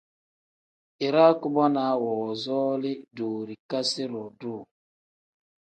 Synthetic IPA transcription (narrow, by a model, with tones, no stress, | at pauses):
i˨ɾa˦ku˦bɔ˦na˨˦wɔ˨zɔ˦lɪ˦du˨ɾi˨ka˦si˦ɾɔ˨du˦˨